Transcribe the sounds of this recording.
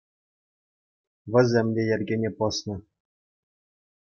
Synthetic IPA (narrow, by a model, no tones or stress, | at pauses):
ʋʲɘ̆zʲemʲdʲejɘrʲɡʲenʲepɤ̆snɤ̆